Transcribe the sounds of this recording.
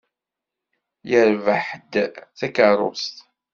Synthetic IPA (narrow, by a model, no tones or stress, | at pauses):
jəɾvəħd̪θækərˤʊ̰st̪